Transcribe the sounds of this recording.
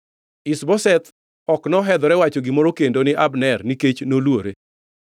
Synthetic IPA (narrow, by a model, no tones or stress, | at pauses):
isbɔsɛt̪ | ɔknɔɦɛd̪ɔɾɛwat͡ʃoɡimɔɾokendonɪʔabnɛrniket͡ʃnolwoɾe